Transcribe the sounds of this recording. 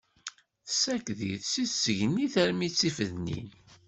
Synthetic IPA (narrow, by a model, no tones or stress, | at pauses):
θsækðḭθsiθsəʝənːiθəɾmit͡sːifəðnḭn